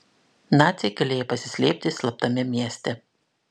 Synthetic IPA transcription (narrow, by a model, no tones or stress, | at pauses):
nɑːt̪sʲɛɪɡɐlʲeːjopɐsʲɪ̥sʲlʲeːpʲt̪ʲɪsʲlˠɐp̚t̪ɐmʲɪmʲiɛsʲt̪ʲɛ